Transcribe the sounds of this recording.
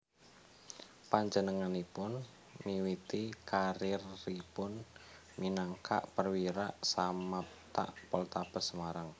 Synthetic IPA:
paɲd͡ʒənəŋanipʊn | miwit̪ikaɾɪrːipʊn | minaŋkʰa̰ʔpərwiɾaʔsama | t̪a̰ʔpɔlt̪ab̥əsəmaɾaŋ

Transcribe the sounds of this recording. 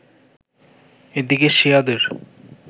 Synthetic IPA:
ed̪ikeʃiad̪eɾ

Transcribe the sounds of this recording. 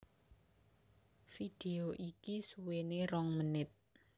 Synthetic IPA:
fid̪̥eoʔikisuweneɾɔŋmənɪt̪̚

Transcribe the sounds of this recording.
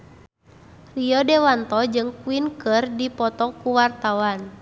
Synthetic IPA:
riɔdɛwant̪ɔd͡ʒɨŋkuinkɨrdipɔt̪ɔkuwart̪awan

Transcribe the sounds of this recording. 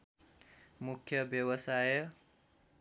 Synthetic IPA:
mukʰjʌbjʌbʌsaj

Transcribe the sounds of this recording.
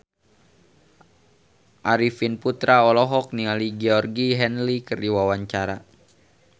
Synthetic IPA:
ʔaɾifinput̪ɾaɔlɔɦɔk̚nialiɡɛɔrɡiɦɛnlikərdiwawaɲt͡ʃaɾa

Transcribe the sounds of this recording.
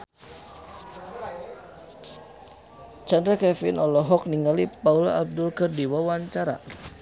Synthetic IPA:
t͡ʃandɾakɛfɪnɔlɔɦɔk̚niŋalipaulaab̚dʊlkərdiwawaɲt͡ʃaɾa̰

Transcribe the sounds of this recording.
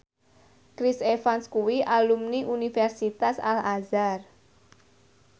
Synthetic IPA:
kɾisefanskuwiʔalumniʔunifɛrsit̪asalazar

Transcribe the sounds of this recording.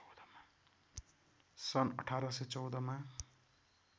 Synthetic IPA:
d̪ʌma | sʌnʌ̰ʈʰaɾʌset͡sʌwd̪ʌma

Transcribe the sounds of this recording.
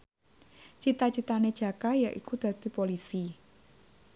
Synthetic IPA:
t͡ʃit̪at͡ʃit̪ane̥ʒ̥a̤kajaʔikud̪̥ä̤d̪̥i̤polisi

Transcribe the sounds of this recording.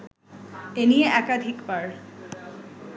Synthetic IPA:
enieʔɛkad̪ʱikbaɾ

